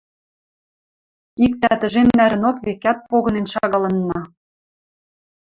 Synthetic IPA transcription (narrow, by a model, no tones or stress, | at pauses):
ik̚t̪æt̪ə̆ʒemnæɾɘ̆nokβekæt̪̚poɣɤ̆nenʃɑɣɑlɤ̆nːɑ